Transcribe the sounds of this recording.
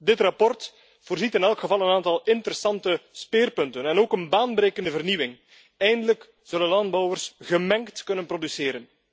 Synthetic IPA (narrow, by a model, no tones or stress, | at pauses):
dɪtrɑpɔrt | voːrzitɪnɛlˠkxəvɑlˠənaːntɑlˠɪntəɾəsɑntəspɪːrpɵntənɛnoːkənbaːnbɾeːkəndəvərniwɪŋ | ɛjndələk | z̥ɵlənlɑndbɔwərsɣəmɛŋktkɵnənprodysɪːɾən